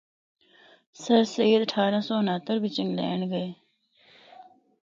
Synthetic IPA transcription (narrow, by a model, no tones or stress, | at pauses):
sɐɾseːd̪əʈʰaːɾãsɔːənaːt̪əɾbʱit͡ʃə̃ŋɡlɛ̰ːɳɡəeː